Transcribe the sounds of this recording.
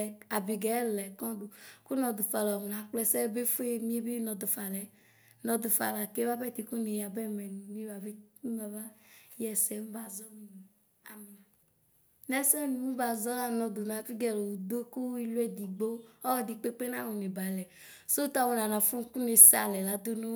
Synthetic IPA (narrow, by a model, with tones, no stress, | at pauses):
ɛ˨a˨bi˨ɡɛ˨˦lɛ˨kɔ̃˦do˨ku˦nɔ̃˨d̪o˨fa˨lɔ˨m˨nã˨k͡plɛ˦sɛ˦be˦fo˦e˦mĩ˦e˦be˦nɔ̃˨d̪o˨fa˨lɛ˨ | nɔ̃˨d̪o˨fa̰˨la˨ke˦va˦bɛ˦t̪i˨ku˦ne˨ja˨bɛ˦mɛ˨nũ˨nĩ˦ba˨be˦mu˦a˨va˦jɛ˦sɛ˦mũ˦ba˨zɔ˦mi˦nũ˨ | a̰˨mĩ˨n˨ | nɛ˨sɛ˦nĩ˨mũ˦ba˨zɔ˦la˦nɔ̃˨d̪o˨nã˨fi˦ɡɛ˨lo˨wu˨d̪o˦ku˦i˦lu˦ɛ˦d̪i˨ɡ͡bo˦ɔ˦wd̪i˨k͡pe˦k͡pe˦nã˦wne˨ba˨lɛ˨ | so˦t̪a˦wo˨nã˨nã˨fu˦ku˦ne˨sa̰˨lɛ˨la˨d̪o˦no˦